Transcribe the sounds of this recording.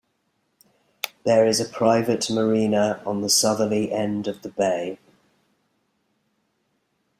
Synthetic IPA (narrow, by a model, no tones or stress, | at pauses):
ðəɹɪzəpʰɹ̥aɪvəʔməɹĩːnəə̃nðəsʌðəliʔɛ̃ndəvðəbeɪ